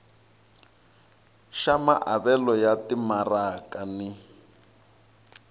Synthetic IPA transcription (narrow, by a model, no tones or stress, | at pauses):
ʃama̰ʔaβɛlɔjatimarakanɪ